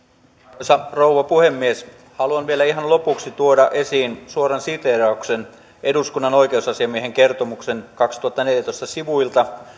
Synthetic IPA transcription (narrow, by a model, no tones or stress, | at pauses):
osɑrouʋɑpuhemːies | hɑluɑnʋielæiɦɑnlo̞puksit̪uodɑʔe̞siːnsuoɾɑnsit̪erɑuksen | ʔeduskunːɑno̞jkeusɑsiɑmieɦeŋkert̪omuksenkɑkst̪uɑt̪ːɑneljæt̪oist̪ɑsiʋuilt̪ɑ